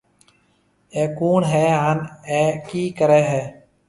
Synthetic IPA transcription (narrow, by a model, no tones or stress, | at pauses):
eːkuːnɦeːaːneːkiːkəɾeːɦɛː